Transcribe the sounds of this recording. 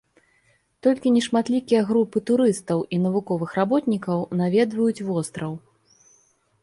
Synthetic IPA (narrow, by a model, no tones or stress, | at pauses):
t̪ɔlʲkʲinʲɛʂmat̪lʲikʲijɐɣɾupɨt̪uɾɨst̪ɐwʔin̪ɐvukɔvɨxɾabɔt̪nʲikɐwnavʲɛd̪vɐjut͡sʲvɔst̪ɾɐw